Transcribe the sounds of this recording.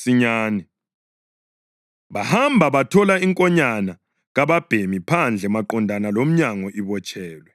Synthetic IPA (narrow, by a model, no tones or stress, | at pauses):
siɲaːnɛ | βahambʱaβatʰɔlaiŋkʼɔɲana | ɣaβab̥ʱemipʰand͡ɮʱɛmaǃɔndʱanalom̩ɲaŋɔʔiβɔt͡ʃʼʰɛːlwɛ